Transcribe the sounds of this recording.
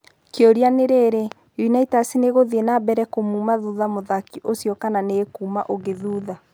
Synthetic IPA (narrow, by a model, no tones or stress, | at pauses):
keoɾianeɾeːɾe | junaitasineɣoðienabɛɾɛkomuːmaðuðamoðakiʔosjɔkananekuːmaʔoɣeðuːða